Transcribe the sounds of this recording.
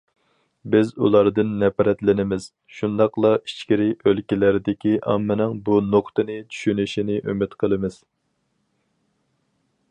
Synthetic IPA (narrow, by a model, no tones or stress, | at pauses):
bɪzṵlˠɑɾd̪ɨnːɛpɾɛt̪lɪnɪmɪz̥ | ʃund̪ɑqlˠɑit͡ʃkʲiɾɪʔølkʲilæɾɪd̪ɪkʲʰiʔɑ̰mːɪnɪŋbunoqt̪ɨnɨt͡ʃʰy̥ʃynyʃinɪʔymɪt̪qʰəlˠɨmɪz̥